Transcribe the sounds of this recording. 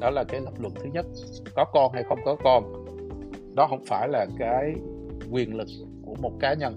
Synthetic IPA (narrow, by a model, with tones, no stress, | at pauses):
ɗɔ˨˦laː˨˩kaː˨˦jlə˦˥k͡pp̚lwə̰˧˨nt̪ʰɨ˨˦ɲə˦˥t̚ | kɔ˨˦kɔ˧nɦa˧jxə˧wŋ͡mkɔ˨˦kɔ˧n | ɗɔ˨˦ɦə˧wŋ͡mfaː˧˩jlaː˨˩kaː˨˦j | kwi˨˩ənlɨ˨˩k̚ | ku˧˩əmo˨˩t̚kaː˨˦ɲə˧n